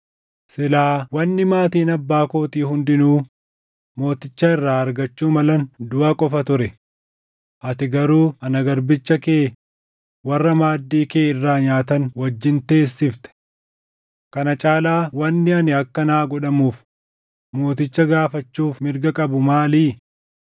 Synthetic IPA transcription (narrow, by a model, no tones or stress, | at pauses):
sɪlaːwɐnːɪmaːt̪iːnɐbːaːkoːt̪iːhʊnd̪ɪnuː | mo̞ːt̪ɪt͡ʃːaɪrːaːɐɾɡɐt͡ʃːuːmɐlɐnd̪ʊaːkʼɔfɐt̪ʊɾɛ | ʔɐt̪ɪɡɐɾuːɐnɐɡɐɾbɪt͡ʃːɐkeː | wɐrːɐmaːd̪ːiːkeːɪrːaːɲaːt̪ɐnwɐd͡ʒːɪnt̪e̞ːsːɪft̪ɛ̥ | kɐnɐt͡ʃʼaːlaːwɐnːɪɐnɪɐkːɐnaːɡɔᶑɐmuːf | mo̞ːt̪ɪt͡ʃːɐɡaːfɐt͡ʃːuːfmɪɾɡɐkʼɐbʊmaːliː